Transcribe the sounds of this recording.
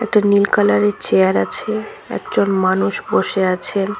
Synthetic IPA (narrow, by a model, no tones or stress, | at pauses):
ɛk̚ʈanilkalaɾeɾt͡ɕeaɾat͡ɕʰeɛ̰kd͡ʑonmanuʃboʃeat͡ɕʰen